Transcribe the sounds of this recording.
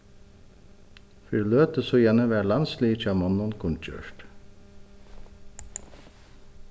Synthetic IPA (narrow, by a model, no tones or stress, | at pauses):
fʏɾløːt̪əsoːjɛnəʋæːlɑnsliːt͡ʃʰɑmɔnʊnkʰʊnc͡çø̰ːʂʈ